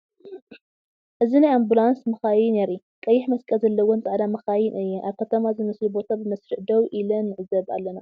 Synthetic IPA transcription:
ʔɨzinajambulansmɨxajɪneɾi | kʼɐjːɪħmɐskʼɐzɐlːɐwont͡sʼaʕd̪amɨxajɪnʔɨjːɛʔaβkʰɐt̪ʰɐmazɨmɐslubo̞t̪ʰabɨmɐsɾɨʕd̪ɐwʔilɐnːɨʕɨzɐβa̰lːɐna

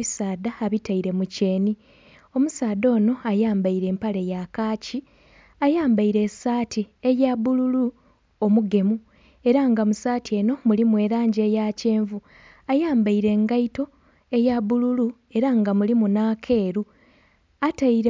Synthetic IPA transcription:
isaːd̪aːβitaiɾe̞muce̞ːni | o̞musaːd̪o̞ːno̞ajaːmbaiɾe̞ːmpale̞jakaːci | ajaːmbaiɾe̞saːtiejaβululu | omuɡe̞mu | e̞ɾaŋɡamusaːtie̞no̞mulimuwe̞ːɾaːɲɟe̞jace̞ːɱvu | ajaːmbaiɾe̞ŋɡaito̞ | e̞jaβululu | e̞ɾaŋɡamulimunaːkʰe̞ːɾu | ataiɾe

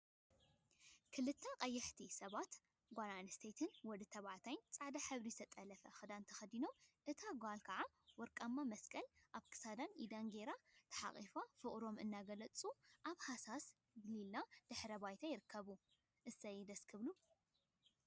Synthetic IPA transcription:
kʰɨlɨt̪ʰːɐqʼɐjːɛħt̪ʰisɐβat̪ | ɡʷananst̪ʰet̪ʰɨnwɔd̪ɨt̪ʰɐβaʕt̪ʰajnt͡sʼaʕd̪aħɨβɾizt̪ʰɐt̪ʼɐlɐfɐxɨd̪ant̪ʰɐxɐd̪ino̞mʔɨt̪ʰaɡʷalkʰɐʕa | wɔɾkʼamːamɐskʼɐlʔaβkʰɨ̥sad̪anid̪aŋɡeɾat̪ʰɐ̥ħa̰χʼḭfafɨχʼɾo̞mɨ̰nːaɡɐlɐt͡sʼuʔaβhasas | ɡɨlilːad̪̥ɨħɾɐbajt̪ʰajɪɾɨkʰːɐβu | ʔɨsɐjd̪ɐskʰɨβlu

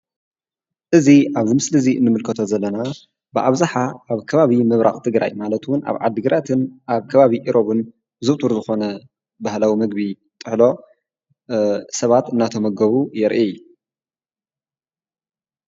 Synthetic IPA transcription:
ʔɨziaβzɨmɨslɨziɨ̰nːɨmɨlkʰɐt̪ʰo̞zɐlːɐna | bɨʔa̰βzaħaːβkʰɐβaβimɨβɾʔa̰χʼt̪ʰɨɡɾa̰jmalɐt̪wʊnʔa̰βʕa̰d̪ːɨɡɨɾʔat̪ʰɨnʔaβkʰɐβaβiʔiɾʔo̞βɨn | zɨβt̪ʼuɾzɨxo̞nɐ | bahlawimɨɡ̚bi | t̪ʼɨħlo̞ | sɐβat̪ɨnːat̪ʰo̞mɐɡɐβujɛɾʔiju

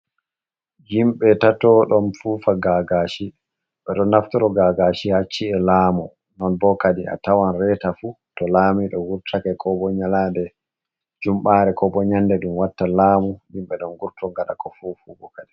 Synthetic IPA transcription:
d͡ʒimɓɛtatɔɗɔnfuːfaɡaɡaʃi | ɓɛɗɔnːaftɔɾɔɡaɡaʃihat͡ʃːiɛlaːmɔ | nɔnbɔkaɗiʔa̰tawanrɛtafu | tɔlamiɗɔwuɾtʰakɛkʰɔbɔɲalandɛ | d͡ʒumɓaːɾɛkɔbɔɲandɛɗumwatːalaːmujimɓɛɗɔnɡuɾtɔŋɡaɗa̰kɔfufubɔkaɗi

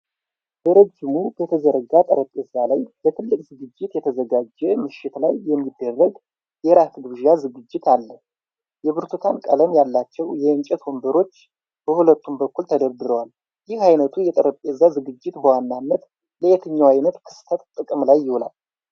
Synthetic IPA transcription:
b̥əɾəd͡ʒɪmubət̪ʰəzəɾəɡat̪ʼəɾəpʼezːalajb̥ət̪ʰɨlːɨkʼzɨɡɨd͡ʒːɪt̪jɛt̪ʰəzəɡad͡ʒːɛmɨʃːɪt̪lajːɛmːid̪ːərːəɡ | jɛɾat̪ʰɡʒijazɨɡɨd͡ʒːɪt̪ʰalːə | jɛβɨɾt̪ʰut̪ʰankʼələmjalːat͡ʃːɛwjɛɨnt͡ʃʼɛt̪wombəɾo̞t͡ʃː | b̥əhulət̪ʰːumbəkːult̪ʰəd̪əβd̪ɨɾəwal | jɪhajnət̪ʰujɛt̪ʼəɾəpʼezːazɨɡɨd͡ʒːɪt̪bəwanːanːət̪ | ləet̪ʰɨɲːawajnət̪kʰɨ̥st̪ʰət̪t̪ʼɨkʼɨmlajːɪhola̰l

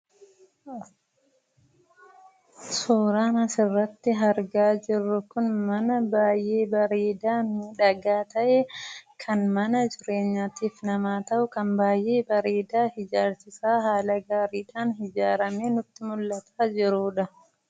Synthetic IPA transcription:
suːɾaːnɐsɪrːɐt̪ːɪɦɐɾɡaːd͡ʒɪrːʊkʊnmɐnɐbaːjʔeːbɐɾeːd̪aːnɪᶑɐɡaːt̪ɐʔekʰɐnmɐnɐd͡ʒɪɾe̞ːɲːaːt̪iːfnɐmaːt̪ɐʔʊkɐnbaːjʔe̞ːbɐɾieːd̪aːhɪd͡ʒaːɾsɪsaːɦaːlɐɡaːɾiːᶑaːnɦɪd͡ʒaːɾɐmeːnʊt̪ːɪmʊlːɐt̪ʰaːd͡ʒɪɾuːᶑɐ

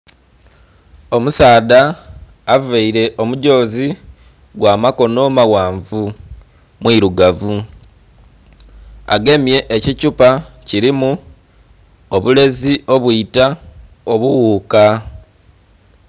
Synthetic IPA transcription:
o̞musaːdaː | veiɾe̞ʔo̞muɟo̞ːzi | ɡwaːmako̞no̞mawaːɱvu | mwiɾuɡavu | a̰ɡe̞mje̞ʔːcicupaciɾimu | oβule̞ziʔo̞βwuita | o̞βuwuːka

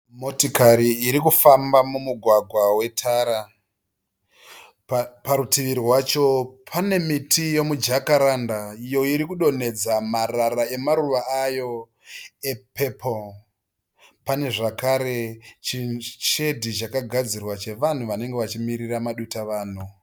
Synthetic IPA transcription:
motikaɾiːɾikufambamumuɡʱwaɡʱwawe̞tʰaːɾa | paɾutiʋiɾiwat͡ʃo̞pʰane̞mitʰijo̞mud͡ʒakaɾandaijo̞iɾikuɗo̞ne̞d͡zamararae̞maruʋaajo̞ | e̞pʰepʰol | pane̞ʐakaɾe̞t͡ʃit͡ʃe̞dʱit͡ʃakaɡʱad͡zirwat͡ʃe̞ʋan̤uʋane̞ŋɡe̞ʋat͡ʃimiɾiramaɗutaʋaːn̤u

